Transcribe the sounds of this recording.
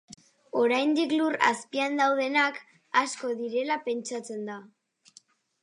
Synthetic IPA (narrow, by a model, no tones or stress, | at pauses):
o̞ɾajnd̪iklura̰spiand̪awð̞e̞nak | asko̞ðiɾe̞lape̞nt͡ʃat͡se̞nd̪a